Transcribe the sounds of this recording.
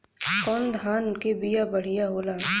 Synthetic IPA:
kɔːnd̪ʱaːnkebijabəɽ̤ijaɦoːlaː

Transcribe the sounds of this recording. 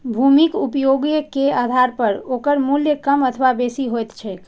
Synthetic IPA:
bʱumikupjoɡjəkead̪ʱaɾpəɾokəɾmuljəkəmət̪ʰəʋabesiɦojt̪t͡ʃʰɛk

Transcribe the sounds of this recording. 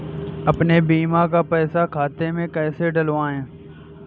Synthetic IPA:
əpnebiːmãːkaːpɛːsakʰaːt̪emẽkɛːseɖəloãːɦẽː

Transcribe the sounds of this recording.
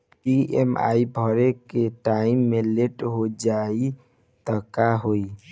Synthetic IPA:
piḛma̰ibʱəɾekeʈaimːeleʈɦod͡ʒai | t̪əkaɦoi

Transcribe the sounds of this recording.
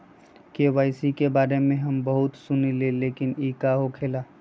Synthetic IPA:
keʋaːɪsikebaːɾemẽɦɐmbɐɦʊt̪sʊnileleːkɪniːkaɦokʰeːlaː

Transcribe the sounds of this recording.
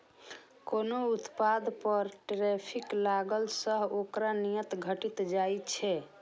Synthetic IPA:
konout̪pad̪ʱpəɾʈɾepʰiklaɡəlsəɦokɾanijət̪ɡʱəʈit̪d͡ʒajt͡ʃʰɛ

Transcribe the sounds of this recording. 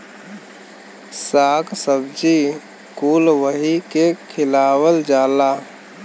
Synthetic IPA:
saːksəbd͡ʒi | kuːlwəɦikekʰɪlaːwəld͡ʒaːlaː

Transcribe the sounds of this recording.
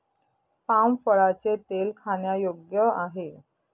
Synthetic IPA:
pamfəɽat͡set̪elkʰaɳjajoɡjəaɦe

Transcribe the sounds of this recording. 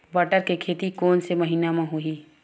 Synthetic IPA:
bɐʈəɾkekʰeːt̪ikoːnsemɐɦiːnamãɦui

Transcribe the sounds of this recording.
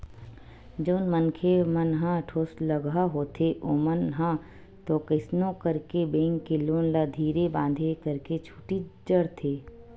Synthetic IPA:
d͡ʒoːnmənkʰemənɦãʈʰoːsləɡaɦoːt̪ʰeʔoːmənɦã | t̪okəɪsnõkəɾkebẽːŋkːeloːnlad̪ʱiːɾebãːnd̪ʱekəɾket͡ʃʰu̥ːʈid͡ʒəɽt̪ʰeː

